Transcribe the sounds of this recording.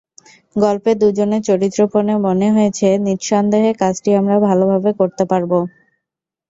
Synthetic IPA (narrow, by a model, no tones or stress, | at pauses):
ɡɔlped̪ud͡ʑonet͡ɕoɾit̪ːɾoponemoneɦoet͡ɕʰeniɾʃɔnd̪eɦekat͡ɕʈiamɾabʱalobʱabekoɾt̪epaɾbo